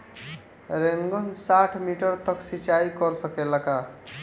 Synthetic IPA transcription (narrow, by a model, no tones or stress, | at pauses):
ɾeŋɡʌnsaʈʰmiʈʌrt̪ʌksit͡ʃajkʌɾsʌkelaka